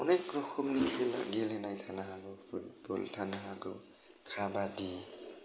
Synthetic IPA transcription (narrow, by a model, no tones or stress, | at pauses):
ɔnɛkɹɔxɔmnikʰɛla̰ɡilɛnajtʰanaɦaɡɔpʰut̚bɔ̰ltʰanaɦaɡɔ̰ | kʰabadi